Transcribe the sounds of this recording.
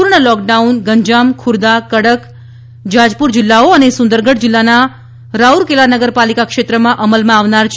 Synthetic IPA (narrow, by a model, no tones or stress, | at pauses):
uɾɳəlɔk̚ɖaunɡəɲd͡ʒamkʰuɾd̪akəɽək | d͡ʒad͡ʒpuɾd͡ʒɪlːaoənesʊ̃nd̪əɾɡəɽd͡ʒɪlːana | ɾauɾkelaɾnəɡəɾpalikakʃet̪ɾəmãʔəməlmãːʋnaɾt͡ʃʰ